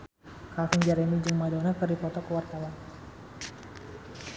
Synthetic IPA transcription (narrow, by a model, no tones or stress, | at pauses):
kafiŋd͡ʒaɾɛnid͡ʒɨŋmadonakərdipɔt̪ɔkəwart̪awan